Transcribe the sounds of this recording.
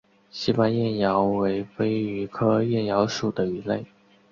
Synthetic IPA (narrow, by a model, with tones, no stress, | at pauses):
ɕi˥pa˥˧njɛ˥˩njɑ˧˥ʊwe˧˥ɪfe˥ɪy˧˥kʰɤ˥jɛ˥˩njɑ˧˥ʊʂu˨˩d̪ə˦y˧˩le˥˩ɪ